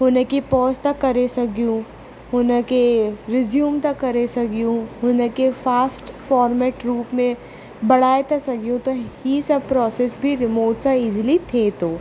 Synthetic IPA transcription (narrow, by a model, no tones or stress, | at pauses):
ɦʊnekipɔːst̪ɐkːɐɾesɐkjũ | ɦʊnakeɾɪzjuːmt̪ɐkːɐɾesɐkijũɦʊnekefaːsʈfɔːɾmɛːʈɾuːpmẽ | bɐɽ̤aːet̪asɐɡjũt̪oisɐb̚pɾɔːsesbʱiɾɪmoːʈsaɪd͡ʒlit̪ʰet̪oː